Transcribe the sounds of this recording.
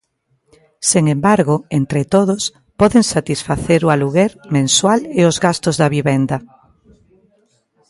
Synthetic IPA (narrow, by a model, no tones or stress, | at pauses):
seŋembaɾɣʊent̪ɾet̪oðʊs | pɔðeŋsat̪isfaθeɾʊaluɣeɾmẽnswaleozɣast̪ozðɐβiβend̪ɐ